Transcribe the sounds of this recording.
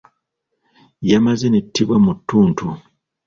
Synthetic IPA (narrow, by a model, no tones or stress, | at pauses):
jamazenetʰːiβwamutːuːntʰu